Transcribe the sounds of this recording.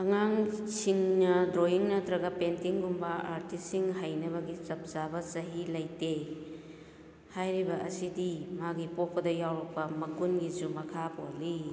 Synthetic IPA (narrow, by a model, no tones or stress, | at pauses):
ɐŋaŋsiŋnɐdɾojiŋnɐtɾɐɡɐpentiŋɡumbɐaɾtisːiŋɦajnɐβɐɡit͡ʃɐp̚zabɐsɐɦilɐjte | hajɾibɐʔɐsidimaɡipok̚pɐdɐjawɾɐk̚pɐmɐɡunɡizumɐkʰapoli